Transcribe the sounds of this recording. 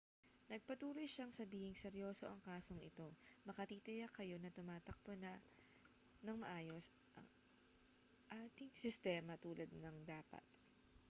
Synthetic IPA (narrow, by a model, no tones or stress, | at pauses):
nɐɡ̚pɐt̪uːlo̞jʃaŋsɐbiːhɪŋsɛɾjo̞ːso̞ʔɐŋkaːso̞ŋɪt̪o̞mɐkɐt̪iːt̪ɪjɐkɐjo̞nɐt̪ʊmaːt̪ɐk̚ponɐ | nɐŋmɐʔaːjo̞s | ʔɐ̰ŋ | ʔaːt̪ɪŋsɪst̪ɛːmɐt̪uːlɐd̪̚nɐŋd̪aːpɐ̰t̪̚